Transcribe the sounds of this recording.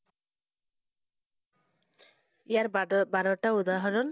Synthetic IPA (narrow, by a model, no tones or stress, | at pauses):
ijaɾbaɾɔʈaud̪aɦɔɾɔn